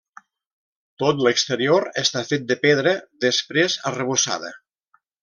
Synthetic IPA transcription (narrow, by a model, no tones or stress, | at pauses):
t̪ot̪ləkst̪əɾioɾəst̪afet̪̚d̪əpeð̞ɾəðəspɾezərəβusa̰ðə̰